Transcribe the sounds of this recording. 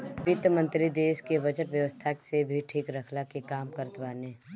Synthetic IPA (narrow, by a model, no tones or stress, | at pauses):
ʋɪt̪mə̃nt̪ɾid̪eːskebɐd͡ʒəʈʋjəʋəst̪ʰasebʱiʈʰiːkɾəkʰlakekaːmkəɾt̪ʋaːnẽː